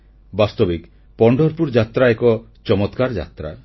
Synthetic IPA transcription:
bast̪ɔbik | pɔɳɖʱɔɾpuɾd͡ʒat̪ɾaekɔ | t͡ʃɔmɔt̪kaɾd͡ʒa̰t̪ɾa̰

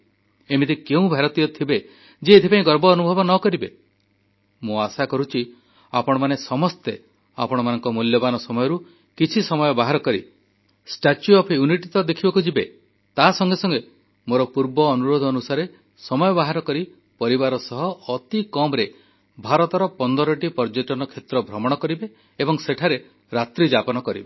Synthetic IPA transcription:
emit̪ikeũbʱaɾɔt̪ijɔt̪ʰibe | d͡ʒeːt̪ʰipaĩɡɔɾbɔːnubʱɔbɔnɔkɔɾibe | mũasakɔɾut͡ʃʰi | apɔɽ̃ɔmanesɔmɔst̪e | a̰pɔɽ̃ɔmanɔŋkɔmuljɔbanɔsɔmɔjɔɾu | kit͡ʃʰisɔmɔjɔbaɦaɾɔkɔɾḭ | sʈat͡ʃjuɔpʰjuniʈit̪ɔd̪ekʰibɔkud͡ʒibe | t̪asɔŋɡesɔŋɡe | moɾɔpuɾbɔːnuɾod̪ʱɔnusaɾe | sɔmɔjɔbaɦaɾɔkɔɾi | pɔɾibaɾɔsɔɦɔːt̪ikɔmɾe | bʱaɾɔt̪ɔɾɔpɔnd̪ɔɾɔʈipɔɾd͡ʒoʈɔnɔkʰet̪ɾɔbʱɾɔmɔɽ̃ɔkɔɾibeː | bɔŋseʈʰaɾe | ɾat̪ɾid͡ʒapɔnɔkɔɾibe

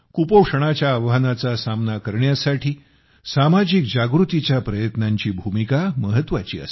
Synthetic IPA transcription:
kupowʂəɽ̃at͡ɕjaːʋʋanat͡sasamnakəɾɳjasaʈʰiː | samad͡ʑikd͡ʑaɡɾut̪it͡ɕjapɾəjət̪naɲt͡ɕiːbʱumikaməɦət̪ʋat͡ɕḭːə̰s

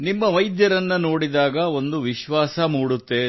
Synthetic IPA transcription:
nimːɐʋɐjd̪jɐɾɐnːɐno̞ːɽid̪aːɡɐo̞nd̪uʋiʃʋaːsɐmuːɽut̪ːe̞

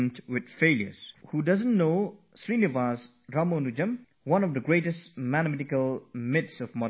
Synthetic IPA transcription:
ntwɪd̪̚feljə̰zhudʌzə̃nːo | sɾinivaz | ɾamonud͡ʒə̃m | wʌ̃nɔfd̪əɡɾetestmænəmɛtikəlmɪtsɔvmɔ

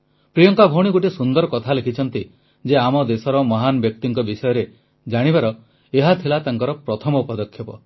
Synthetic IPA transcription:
pɾijɔŋkabʱõiɡoʈisund̪ɔɾɔkɔt̪ʰalekʰit͡ʃʰɔnt̪i | d͡ʒeamɔd̪esɔɾɔmɔɦanɔbjɔk̚t̪iŋkɔbisɔjɔɾe | d͡ʒaɽ̃ibaɾɔ | eɦat̪ʰilat̪aŋkɔɾɔpɾɔt̪ʰɔmɔupɔd̪ɔkʰjɔpɔ

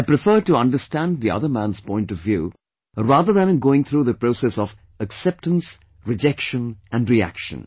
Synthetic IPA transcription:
aɪpɾɨfɜ˞d̚ʈuʌ̃ndəstæ̃nðiʌ̰ðə˞mæ̃nz̥pɔ̃ɪ̃ntʌvːjṵː | ɹæːðə˞ðə̃nɡoʊɪ̃ŋθʰɾuːðəpɹoʊsɛsɔv | əksɛp̚tə̃ns | ɹɨd͡ʒɛkʃə̃næ̃ndɹiæ̰kʃə̰̃n

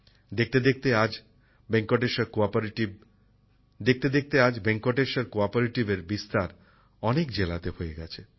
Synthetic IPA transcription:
d̪ek̚t̪ed̪ek̚t̪ead͡ʑ | beŋkoʈeʃaɾkoapʈib | d̪ek̚t̪ed̪ek̚t̪ead͡ʑbeŋkoʈeʃaɾkoapoɾeʈibeɾbist̪aɾ | ɔnek̚d͡ʑelat̪ehoeɡɛ̰t͡ɕʰe

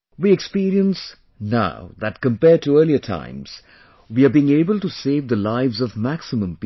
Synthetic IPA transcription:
wiːɛkspiːɾiə̃ns | na̰ʊðæt̚kə̃mpɛːɖ̚tuɜːliətʰã̰ɪ̃mz̥ | wiəbiɪ̃ŋeːbəlʈuseːvd̪əlaɪvzʌvmæksɪmə̃mp

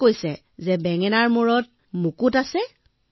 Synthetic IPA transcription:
kojsɛ | zɛbɛŋɛnaɹmuɹɔt̚ | mukutasɛ

